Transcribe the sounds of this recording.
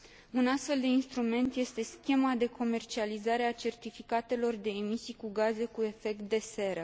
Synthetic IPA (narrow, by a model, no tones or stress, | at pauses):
unast̪fe̞ld̪e̞inst̪ɾume̞nt̪je̞st̪e̞skʲe̞mad̪e̞kʰo̞me̞rt͡ʃializaɾe̞at͡ʃe̞rt̪ifikat̪e̞lo̞rd̪e̞ːmisijkuɡaze̞kue̞fe̞k̚t̪̚d̪e̞se̞ɾə